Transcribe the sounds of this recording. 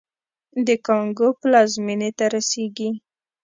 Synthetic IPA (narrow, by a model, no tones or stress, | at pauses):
d̪əkɑŋɡoplɑzminet̪aɾaseɡi